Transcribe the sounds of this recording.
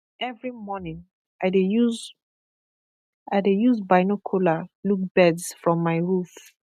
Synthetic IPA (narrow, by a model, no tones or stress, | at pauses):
ʔɛvɹimɔnĩŋ | aɪdeuz | aɪdejuzbaɪnɔkʰulaluk̚b̥ɛdsfɹɔ̃mːaɪɹuf